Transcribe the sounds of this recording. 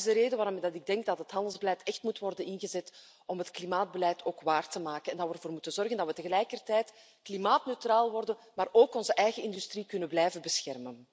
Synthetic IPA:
zdəɾeːdəʋaːɾɔmdɑtɪɡ̚dɛŋk̚dɑtɦətɦɑndəlˠzbəlɛjtɛxtmutʋɔrdənɪnɣəzɛt | ɔmɦətklimaːd̚bəlɛjtʰoːkʋaːrtəmaːkənɛndɑtʋərvoːrmutənzɔrɣəndɑtʋətəɣəlɛjkərtɛjt | klimaːtnøɥtraːlˠʋɔrdən | maːɾoːkɔnzəʔɛjɣəɪndystrikɵnənblɛjvəbəsxɛrmən

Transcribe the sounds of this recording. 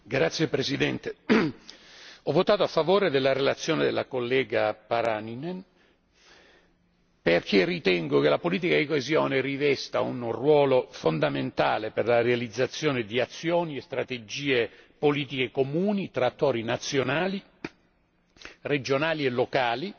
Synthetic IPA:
ɡɾat̪sːjepɾesid̪ɛnt̪e | ɔvːot̪aːt̪oafːavoːɾed̪elːaɾelat̪sːjoːned̪elːakolːɛːɡapaɾaninen | perkʰerit̪ɛŋɡokelapoliːt̪̬ikad̪ikoezjɔːnerivɛst̪a̰unrwɔːlofond̪ament̪a̰ːleperlarealid̪zːat̪sːjɔːned̪iat̪sːjɔːniest̪ɾat̪ed͡ʒiːepoliːt̪ikekomuːnit̪ɾaːt̪ːɔːɾinat̪sːjonaːli | red͡ʒonaːlielːokaːli

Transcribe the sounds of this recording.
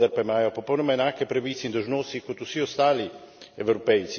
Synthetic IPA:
aɾpaimaːjopopɔwnɔmaɛnaːkepɾaʋiːt̪sɛind̪owʒnoːst̪ikot̪usiost̪aːli | ɛwɾopɛjt̪si

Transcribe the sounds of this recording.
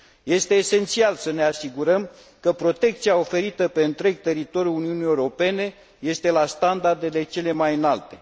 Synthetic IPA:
je̞st̪e̞ːse̞nt̪sialsəne̞asiɡuɾəm | kəpɾo̞t̪e̞k̚t̪siao̞fe̞ɾit̪əpe̞ɨnt̪ɾe̞ɡ̚t̪e̞ɾit̪o̞ɾʲjuuniunijewɾo̞pe̞ne̞ | je̞st̪e̞last̪and̪ard̪e̞le̞t͡ʃe̞le̞majɨnalt̪e̞

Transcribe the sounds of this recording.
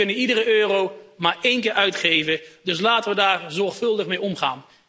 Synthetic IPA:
ɵnəidərəʔøːrowmaːɹejnkɪːɹœɥtχejvədɵslaːtəʋədaːɹzɔɹχfɵlˠdəχmejɔmχa̰ːn

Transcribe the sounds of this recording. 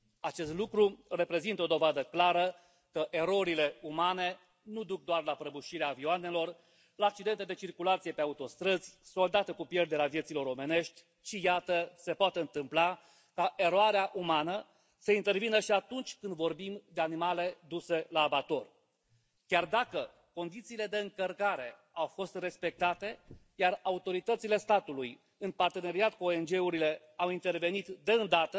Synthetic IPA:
at͡ʃe̞st̪lukɾure̞pɾe̞zint̪əo̞d̪o̞vad̪əklaɾə | kəʔeɾo̞ɾile̞umane̞ | nud̪uk̚d̪oarlapɾəbuʃiɾeaːvioane̞lo̞r | laːk̚t͡ʃid̪ent̪ed̪e̞t͡ʃirkulat̪sije̞peaut̪o̞st̪ɾəz̥ʲso̞ld̪at̪əkupje̞rd̪e̞ɾeavjesilo̞ɾo̞mene̞ʃt̪ʲ | ʃijat̪əse̞poat̪eɨnt̪ɨmpla | kaʔe̞ɾoaɾeaʔumanə | səint̪e̞rvinəʃiat̪unt͡ʃʲkɨnd̪vo̞rbimd̪e̞animale̞d̪use̞laːbat̪o̞r | kʲard̪akə | ko̞nd̪it̪siːle̞d̪e̞ɨŋkərkaɾe̞ | awfo̞st̪re̞spe̞k̚t̪at̪e̞ | jaraut̪o̞ɾit̪ət̪sile̞st̪at̪uluj | ɨnpart̪e̞ne̞ɾiat̪kuoend͡ʒe̞uɾile̞ | awint̪e̞rve̞nit̪d̪e̞ɨnd̪at̪ə

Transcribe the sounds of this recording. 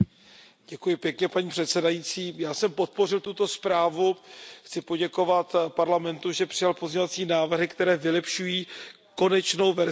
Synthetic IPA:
ɟ̥ɛkujɪpjɛkɲɛpaɲiːpr̥ɛt̪sɛdajit͡siːjaːsɛmpo̞t̪̚po̞r̝ɪlt̪ut̪o̞spɾaːvuxt͡sɪpo̞ɟɛko̞vat̪paɾlamɛnt̪uʒɛpr̥ɪjalpo̞zɲɛvat͡siːnaːvr̩ɦɪkt̪ɛɾɛːvɪlɛpʃujiː | ko̞nɛt͡ʃno̞wvɛɾ

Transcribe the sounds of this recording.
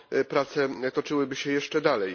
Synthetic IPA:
pɾat̪sɛt̪ɔt͡ʂɘwɘbɘɕɛjɛʂt͡ʂɛd̪alɛj

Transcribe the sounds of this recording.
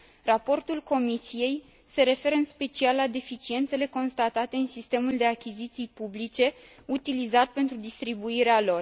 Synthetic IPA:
rapo̞rt̪ulko̞misije̞j | se̞ɾe̞fe̞ɾəɨnspe̞t͡ʃialːad̪e̞fit͡ʃie̞nt̪se̞le̞ko̞nst̪at̪at̪e̞ɨnsist̪e̞muld̪e̞akʲizit̪sijpublit͡ʃe̞ | ut̪ilizat̪̚pe̞nt̪ɾud̪ist̪ɾibuiɾealo̞r

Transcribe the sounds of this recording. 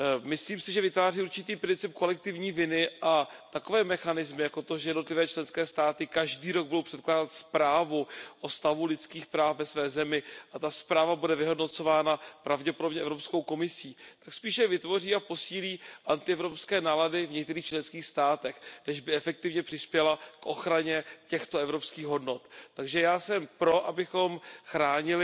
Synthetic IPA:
mɪsliːmsɪʒɛvɪt̪vaːriːuɾt͡ʃɪt̪iːpɾɪnt͡sɪp̚ko̞lɛk̚t̪ɪvɲiːvɪnɪʔat̪ako̞vɛːmɛxanɪzmɪjakot̪oʒɛjɛdnot̪lɪvɛːt͡ʃlɛnskɛːst̪aːt̪ɪkaʒdiːɾo̞ɡ̚budowpr̥ɛt̪̚klaːdat̪spɾaːvuʔost̪avulɪtt͡skiːxpɾaːfvɛsvɛːzɛmɪʔat̪aspɾaːvabudɛvɪɦo̞dno̞t͡so̞vaːnapɾavɟɛpodo̞bɲɛʔɛvɾo̞psko̞wko̞mɪsiːakspiːʃɛvɪt̪vo̞riːapo̞siːliːʔant̪ɪɛvɾo̞pskɛːnaːladɪvɲɛk̚t̪ɛɾiːxt͡ʃlɛnskiːxst̪aːt̪ɛxnɛʒbɪɛfɛk̚t̪ɪvɲɛpr̥ɪspjɛlakʔo̞xɾaɲɛcɛxt̪oɛvɾo̞pskiːɣɦo̞dnot̪ːaɡʒɛjaːsɛmpɾo̞ʔabɪxo̞mxɾaːɲɪlɪ

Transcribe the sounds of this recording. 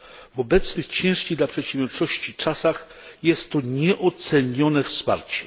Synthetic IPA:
vɔbɛt̪snɘxt͡ɕɛ̃w̃ʂkʲid̪lapʂɛt̪ɕɛ̃vʲjɔɾt͡ʂɔɕt͡ɕit͡ʂasax | jɛst̪ːɔɲɛʔɔt̪sɛɲɔnɛfspa̰ɾt͡ɕɛ̥

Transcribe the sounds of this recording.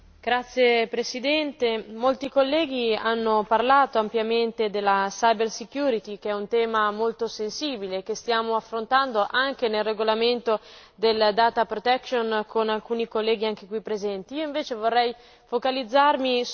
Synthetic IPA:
ɡ̥ɾat̪sːjepɾesid̪ɛnt̪emolt̪ikolːɛːɡ̟ianːoparlaːt̪oampjament̪ed̪elːasajbersikjuːɾit̪ikeɛunt̪ɛːmamolt̪osensiːbilek̟est̪jaːmoafːɾont̪and̪oʔaŋk̟enelːeɡolament̪od̪eld̪aːt̪apɾot̪ɛkʃonkʰonalkuːnikolːɛːɡiaŋk̟ekwipːɾezɛnt̪iioiɱveːt͡ʃevorːɛj | fokalid̪zːarmi

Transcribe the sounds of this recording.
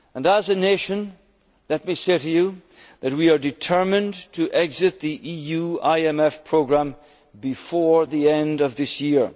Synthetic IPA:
ə̃nəzɨneʃɨ̃n | lɛt̚miseɾɨju | ðɨt̚wiə˞dɨtʰɜ˞mɨ̃ntʰɨʔɛɡzɨt̪̚ðiʔijʉaɪɛmɛfpʰɹ̥oɡɹæ̃m | bɨfɔɹðiɛ̃ndʌvðɪsjiɹ

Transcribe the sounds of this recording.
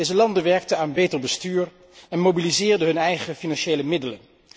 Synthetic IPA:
ejzəlɑndəʋɛɹk̚təaːnbejtəɹbəstyːɹ | ɛnmowbilizɪːɹdəɦɵnɛjχəfinɑnʃejləmɪdələn

